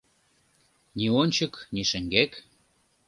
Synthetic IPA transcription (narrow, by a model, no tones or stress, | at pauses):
nionʲt͡ɕə̆kniʃɘ̆ŋɡek